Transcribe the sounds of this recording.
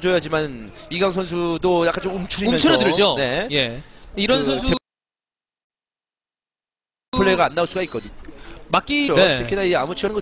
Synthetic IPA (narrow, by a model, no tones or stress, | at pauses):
d͡ʑojad͡ʑimaniɡaŋsʰʌns̬ʰudojak͈ant͡ɕomumt͡ɕʰuɾimʌnʰuɾʌdɯɾd͡ʑone̞jeiɾʌnnsʰʌnsʰue | pʰɯɭːeɡaanːauɭs͈uɡait̚k͈ʌdɯɲomak͈ioeɯkʰidaieamut͡ɕʰʌnɡʌ